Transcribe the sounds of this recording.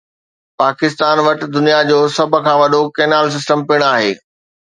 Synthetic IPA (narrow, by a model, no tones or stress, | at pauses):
paːkɪst̪aːnʋɐʈɪ̆d̪ʊnijad͡ʑoːsɐbʱʊ̆kʰãːʋɐɗokeːnaːls̬ɪs̬ʈəmpɪɽ̃aːɦḛː